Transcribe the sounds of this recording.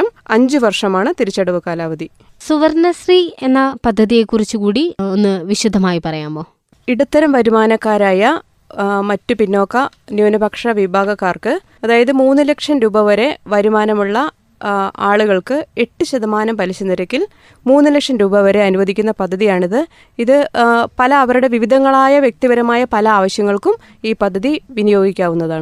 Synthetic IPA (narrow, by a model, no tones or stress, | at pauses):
ɐmɐɲd͡ʑɨʋɐrʂɐmaːɳɨt̪iɾit͡ɕːɐɽɐʋɨkaːlaːʋɐd̪i | suʋɐrnɐsrienːɐpɐd̪ʱːɐðije̞kːurit͡ɕːukuːɽio̞nːɨʋiɕud̪ʱːɐmaːjipɐrɐjaːmboː | iɽut̪ːɐɾɐmʋɐɾumaːnɐkːaːɾaːjɐ | mɐtːupinːo̞ːkːɐnjoːnɐbʱɐkʂɐʋibʱaːɡɐkːaːrkɨ | ɐðaːjɐðɨmuːnːɨlɐkʂɐnɾuːbɐʋɐɾe̞ʋɐɾumaːnɐmuɭːɐ | aːɭuɣɐɭkɨe̞ʈːɨɕɐðɐmaːnɐmpɐliɕɐnːiɾɐkʲːil | muːnːɨlɐkʂɐnɾuːbɐʋɐɾe̞ɐnuʋɐd̪ʱikʲːunːɐpɐd̪ʱːɐðijaːɳiðɨ | iðɨpɐlɐːʋɐɾuɽe̞ʋiʋid̪ʱɐŋːɐɭaːjɐʋjek̚t̪ibɐɾɐmaːjɐpɐlɐaːʋɐɕjɐŋːɐɭkum | iːpɐd̪ʱːɐðiʋinijo̞ːɡikʲːaːʋunːɐðaːɳɨ